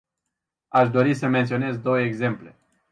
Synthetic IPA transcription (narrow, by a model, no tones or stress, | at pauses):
aʃd̪o̞ɾisəment̪sio̞ne̞zd̪o̞wəeɡze̞mple̞